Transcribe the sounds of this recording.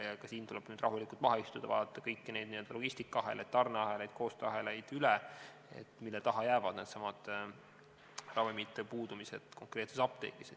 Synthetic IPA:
jɑkɑsiːnt̪ulɛb̥nyːd̪rɑɦulikːˑult̪vɑɦɑist̪ud̥̪ɑvɑ̰ːd̪ɑt̪ːˑɑkɤjkːine̞jd̪niø̞ld̪ɑlo̞ɡ̥isʲt̪ikːˑɑɑɦe̞̰lʔejd̪̥̚t̪ɑrneɑɦe̞lejd̪̥̚ko̞ːst̪øɑɦe̞lejd̪̥yle | ḛt̪ːˑmilːɛt̪ɑɦɑjæːvɑd̪̥ned̪sɑmɑd̪̥ | rɑvimit̪ːepuːd̪̥umise̞̰d̪̥ko̞ŋkre̞ːt̪sesɑp̚t̪ḛːkise

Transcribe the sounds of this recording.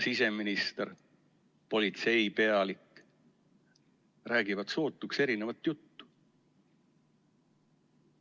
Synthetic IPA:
sise̞minist̪eɾ | po̞lʲit̪se̞jpe̞ɑlikː | ræːɡ̥ivɑt̪so̞ːt̪ːˑukse̞ɾine̞vɑt̪ːjut̪ːu̥

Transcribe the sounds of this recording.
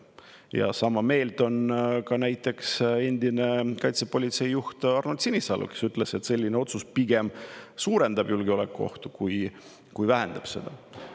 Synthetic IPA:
jɑ̰sɑmɑme̞ːlt̪o̞nkɑnæjt̪ːˑe̞kse̞nʲd̪̥inekɑjt̪sepo̞lʲit̪se̞jːuht̪ɑrnut̪sinisɑ̰lʔṵke̞syt̪ːˑle̞se̞t̪se̞lʲːineo̞t̪suspiɡ̥e̞msuːɾe̞nd̪ɑb̥julɡeo̞le̞kːuo̞̰ht̪u̥kuj | kujvæɦend̪̥ɑb̥se̞̰d̪̥ɑ

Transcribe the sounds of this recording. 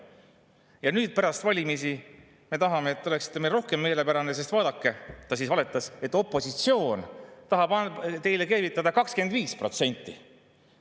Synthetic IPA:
jɑnyːd̪̥̚pæɾɑst̪vɑlʲimisi | me̞t̪ɑɦɑmeːt̪ːo̞le̞ksi̥t̪ːˑe̞melro̞hke̞mːe̞ːle̞pæɾɑne̞s̬e̞st̪vɑːd̪̥ɑkːe̞t̪ɑsiːsvɑle̞t̪ːˑɑset̪ːˑo̞pːˑo̞sit̪sio̞ːnt̪ɑɦɑb̥ɑt̪e̞jle̞keːvit̪ˑːɑd̪̥ɑkɑkskeend̪viːspro̞t̪se̞nʲt̪ːi

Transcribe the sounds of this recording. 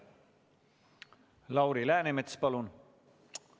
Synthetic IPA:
lɑwɾilæːnemet̪spɑlun

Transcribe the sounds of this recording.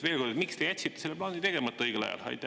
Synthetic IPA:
ve̞ːlko̞rd̪et̪mikst̪e̞jæt̪ʲsit̪ːeselːeplɑːnit̪e̞ɡ̥emɑt̪ːˑɑɤjɡelɑ̰jɑ̰lɑ̰jt̪ːˑ

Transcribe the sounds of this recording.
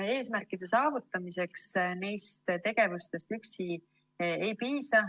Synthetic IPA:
e̞ːsmærkˑid̪̥e̞sɑːvut̪ˑːɑmise̞ksnejst̪t̪e̞ɡ̥e̞vust̪e̞st̪yksi | e̞jpiːsɑ

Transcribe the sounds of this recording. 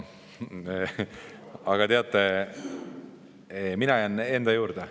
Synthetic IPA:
ɑɡ̥ɑt̪eɑt̪ːˑe | eminɑjɑne̞nd̪ɑjuːɾd̪̥e

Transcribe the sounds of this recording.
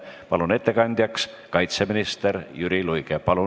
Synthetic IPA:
pɑlune̞t̪ːe̞kɑnʲd̪̥jɑks | kɑjt̪seminist̪eɾjyɾilujkepɑlu

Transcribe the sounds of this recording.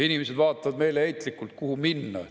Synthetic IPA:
inimese̞d̪̥vɑːt̪ːˑɑvɑd̪me̞jleejt̪ːˑlikːˑult̪̚kuhuminːɑ̰

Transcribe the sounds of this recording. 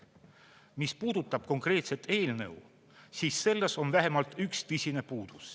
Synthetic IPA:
mispuːd̪̥ut̪ːˑɑb̥ko̞ŋkre̞ːt̪se̞t̪ʰe̞ːlnɤ̰w | siːsːe̞lːeso̞nvæɦemɑlt̪ykst̪ɯsʲine̞puːd̪̥us

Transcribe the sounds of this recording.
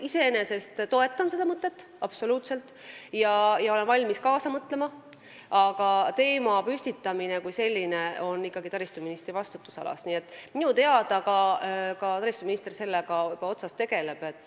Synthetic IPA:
ise̞ene̞se̞st̪t̪o̞e̞t̪ːˑɑnse̞d̪ɑmɤt̪ːˑe̞t̪ː | ɑb̥so̞luːt̪se̞lt̪ˑjɑjɑo̞le̞nvɑlʲmiskɑːsɑmɤt̪ˑle̞mɑ | ɑɡ̥ɑt̪e̞ːmɑpysʲt̪it̪ːˑɑmine̞kujse̞lʲːine̞o̞nːikˑːɑɡit̪ɑɾist̪uminist̪ɾivɑst̪ut̪ːˑu̥sɑ̰lɑ̰sniːe̞t̪ːˑminut̪e̞ɑd̪̥ɑɡɑkɑt̪ɑɾist̪uminist̪erse̞lːeɡɑɤb̥ɑo̞t̪sɑst̪ːe̞ɡ̥e̞le̞b̥e̞t̪ːˑ

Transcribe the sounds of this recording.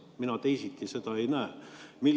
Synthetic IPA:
minɑt̪eisit̪ːiset̪ɑe̞jnæemilː

